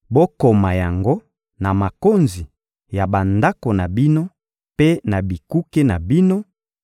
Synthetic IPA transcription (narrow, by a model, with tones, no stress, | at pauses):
bo˦ko˨ma˨ja˨ŋɡo˦ | na˨ma˨ko˦nzi˨ | ja˨ba˨nda˦ko˨na˨bi˦no˦ | pe˦na˨bi˨ku˦ke˦na˨bi˦no˦